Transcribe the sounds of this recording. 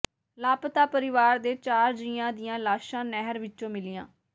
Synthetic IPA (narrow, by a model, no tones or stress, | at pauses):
laːpt̪aːpəɾɪʋaːɾd̪eːt͡ʃaːɾd͡ʒiːãːd̪ɪjãːlaːʃãːnɛɦəɾʋɪtːt͡ʃõːmɪlɪːã̰ː